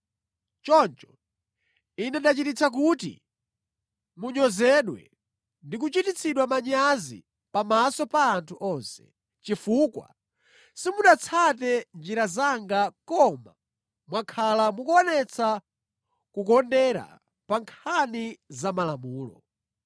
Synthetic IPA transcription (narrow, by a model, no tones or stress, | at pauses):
t͡ʃɔnt͡ʃɔ̥ | inɛɗat͡ʃitit͡sʰak̬uːtḭ | muɲɔzɛɗwɛ̰ | ndikut͡ʃitit͡sʰiɗwamaɲazḭ | pamasɔpaːntʰuʔɔnsɛ̥ | t͡ʃifukwa̰ | simuɗat͡sʰat̬ɛnd͡ʒiɾazaŋɡakɔma | mwakʰalamukuɔnɛt͡sʰa | kukɔndɛɾa̰ | paŋkʰanizamalamuːlɔ̰